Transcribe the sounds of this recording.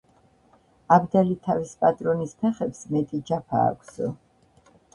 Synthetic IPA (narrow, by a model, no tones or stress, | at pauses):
abd̪alit̪ʰavispʼat̪ʼɾɔnispʰɛχɛpsmɛt̪ʼid͡ʒapʰa̰ːkʷʰs